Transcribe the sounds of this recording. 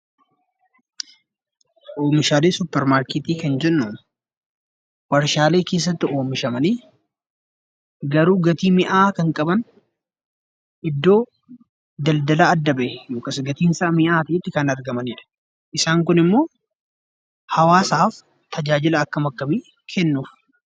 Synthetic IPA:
ʔoːmɪʃaːleːsʊpːɛɾmaːɾkɪt̪iːkɐnd͡ʒɛnːuːn | wɐɾʃaːle̞ːke̞ːs̬ːɐt̪ːɪo̞ːmɪʃɐmɐniː | ɡɐɾuːɡɐt̪iːmɪʔaːkɐŋkʼɐbɐn | ʔɪd̪ːo̞ː | d̪ɐld̪ɐlaːɐd̪ːɐbɐʔjoːkɐsɡɐt̪iːnsaːmɪʔaːt̪ɐʔɪt̪ːɪkɐnɐɾɡɐmɐniːᶑɐ̥ | ʔɪsaːŋkʊnɪmːo̞ː | hɐwaːsaːf | t̪ʰɐd͡ʒaːd͡ʒɪlɐːkːɐmɐkːɐbiː | kʰɛnːuːf

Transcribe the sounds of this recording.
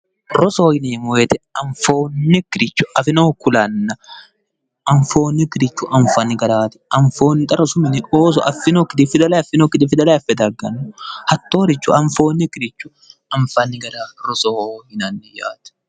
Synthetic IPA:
ɾɔsoːhɪnimɔɛt̪ɛɐɱfoːnːɪkɪɾɪt͡ʃːʊ̥ʔɐfɪnoːkʊlɐnːɐ | ʔɐɱfoːnːɪkɪɾɪt͡ʃːʊʔɐɱfɐnːɪɡɐɾaːt̪ɪ̥ʔɐɱfoːnːɪt̪ʼɐɾɔsʊmɪnɪʔoːs̬ɔ̰ʔɐfɪnokːɪt̪ɪfɪd̪ɐlɐjɐfɪnokːɪt̪ɪfɪd̪ɐlɐɐfɛd̪ɐɾɡɐnːʊhɐt̪ːoːɾɪt͡ʃːʊ̰ʔɐɱfoːnːɪkɪɾɪt͡ʃːʊ | ʔɐɱfɐnːɪɡɐɾaːɾɔsohɪnɐnːɪja̰ːt̪ɛ̥

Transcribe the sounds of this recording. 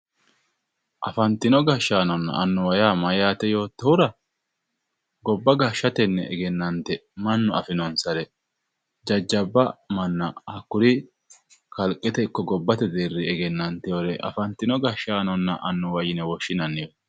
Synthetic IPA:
ʔɐfɐnt̪ːɪnɔɡɐʃːaːnɔnːɐ̰ʔɐnːʊwɐjaːmɐjaːt̪ɛjo̞ːt̪ːɔhʊɾɐ | ɡɔbːɐɡɐʃːɐt̪ɛnːɛɛɡɛnːɐnt̪ɛmɐnːʊɐfɪnɔnsɐɾɛ | d͡ʒɐd͡ʒːɐbːɐmɐnːɐɐkːʊɾɪ | kɐlkʼːɪt̪ɛɪkːɔɡɔbːɐt̪ɛd̪eːrːɪɛɡɛnːɐnt̪ɛjoɾɛʔɐ̰fɐnt̪ːɪnɔɡɐʃaːnɔnːɐ̰ʔɐnːʊwɐjɪnɛwɔʃːɪnɐnːɪjɔ

